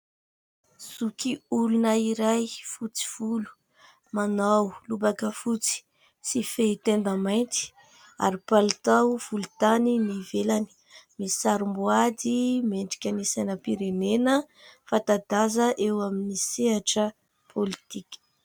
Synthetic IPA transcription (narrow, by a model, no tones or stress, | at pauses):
zukiulunəiɾajfut͡si̥v̥ulu̥ | manawlubakəfut͡si̥ | sifet̪end̪amajnt̪i̥ | a̰ɾipalt̪awv̥ulut̪aninivelani̥ | misaɾumbuad̪imeɳɖ͡ʐi̥kʲanisanəpiɾenenə | fat̪ad̪azəʔewaminiseɦaʈ͡ʂə | pʰolit̪ikʲə̥